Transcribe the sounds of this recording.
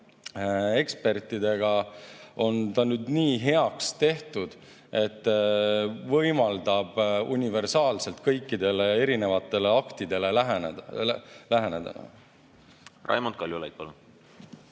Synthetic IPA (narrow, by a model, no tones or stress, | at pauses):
e̞kspe̞rt̪ːˑid̪e̞ɡ̥ɑo̞nt̪ɑnyːd̪niːɦe̞ɑkst̪e̞ht̪ud̪̥ | e̞t̪ˑː | vɤjmɑld̪ɑb̥unʲive̞rsɑːlse̞lt̪̚kɤjkːid̪e̞le̞e̞ɾine̞vɑt̪ːˑe̞le̞ɑkt̪id̪e̞le̞læɦne̥læɦe̞ned̪ɑ̰nɑ̰ | rʔɑ̰jmond̪̚kɑljulḛjt̪̚pɑlun